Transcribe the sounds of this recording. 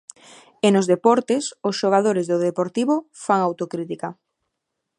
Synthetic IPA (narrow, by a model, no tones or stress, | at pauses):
enozðepɔɾt̪esosʃoɣ̞aðoɾezðoðepoɾt̪iβofaŋawt̪okɾit̪ika